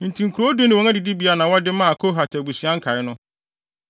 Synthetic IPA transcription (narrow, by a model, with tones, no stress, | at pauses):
n̩˨tʰĩ˨ŋ̩˨kʰɾo˦du˦nɪ̃˨wɔ̃˨˦ŋa˦di˨di˦bi˨˦a˦nã˨wɔ˦dɪ˦mã˦˨kʰo˦ɦa˨tʰɛ˨bu˨si˨ã˦ŋ̩˦kʰa˨ɪ˦nʊ̃˦